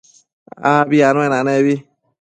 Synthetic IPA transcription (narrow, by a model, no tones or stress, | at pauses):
aβianõẽnãnẽβi